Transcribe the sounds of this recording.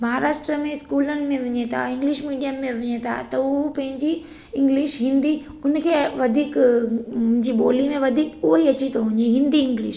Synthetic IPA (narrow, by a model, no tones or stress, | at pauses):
mɐɦaɾaːʃʈɾəmẽskuːlənɪ̆mẽʋɪɲet̪ʰa̰ɪ̃ŋɡlɪʃmiːɖijəmːẽʋɪɲet̪ʰa̰t̪ɐʊpɐ̃ɦɪ̃ɲd͡ʑi | ɪ̃ŋɡlɪʃɦɪ̃nd̪i | ʊnkʰeːʋɐd̪ʱiːk | ʊ̃ɦɪ̃ɲd͡ʑiɓoːlimẽʋɐd̪ʱiːkʊɦoiɐt͡ɕit̪oɦʊ̃ɲeɦɪ̃nd̪iɪ̃ŋɡlɪʃ